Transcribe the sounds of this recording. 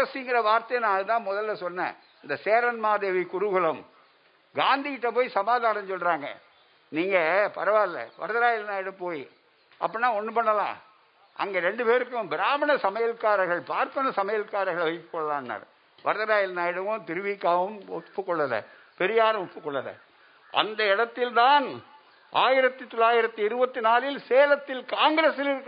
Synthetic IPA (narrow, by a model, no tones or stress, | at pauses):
ɐsiŋɡɪɾɐʋaːɾt̪ɐjɐnãːɯt̪ãːmɔðɐlːɐsɔnːɛ̰ː | ɪnd̪ɐseːɾɐnmaːðeːʋikʊɾʊɣɯlɐm | ɡaːnd̪iɪʈːɐpoːjisɐmaːðaːnɐ̃ɲsɔlːɾaːŋɡɐ̰ | niːŋɡɐpɐɾɐʋaːɪlːɐ̰ʋɐ̰ɾɯðɐɾaːjɪlnaːjɪɽɯmpoːji | ʔɐ̰pːɐnːãːɔnːɯpɐɳːɐlã̰ː | ɐ̰ŋɡeːɾɛɳɖɯpeːɾɯkːɯmbɪɾaːmɐɳɐsɐmɐjɐlkːaːɾɐɣɐɭpaːɾpɐnɐsɐmɐjɐlkaːɾɐɣɐɭʋɐɪkːɯ̥kːɔɭːɐlãːnːa̰ːɾ | ʋɐɾɯðɐɾaːjɪlnaːjɪɽɯmõːt̪ɪɾɯʋikːaːʋɯmɔpːɯkːɔɭːɐðɐ̰ | pɛɾɪjaːɾɯmɔpːɯkːɔɭːɐðɐ̰ | ɐ̰nd̪ɐɪɽɐt̪ːɪlt̪aːn | ʔaːjɪɾɐt̪ːɯt̪ɔlaːjɪɾɐt̪ːɯɪɾɯbɐt̪ːɯnaːlɪlseːlɐt̪ːɪlkaːŋɡɾeːsɪlɪɾɯkː